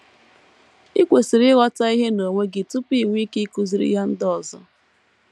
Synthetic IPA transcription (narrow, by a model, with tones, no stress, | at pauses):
i˦kʷe˨si˨ɾɪ˦ɣɔ˦ta˦i˦ɦe˦no˨ŋʷe˦ɡɪ˨tʊ˦pi˦˨ŋʷ˦i˦ki˦ku˦zi˨ɾḭ˦ɦa˦n̩˦dɔ˨zʊ˦